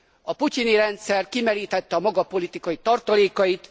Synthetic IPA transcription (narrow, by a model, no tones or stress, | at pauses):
ɒpuciniɾɛnt̪sɛrkimɛɾiːt̪ɛt̪ːɛɒmɒɡɒpo̞lit̪ikɒjit̪ɒrt̪ɒleːkɒjit̪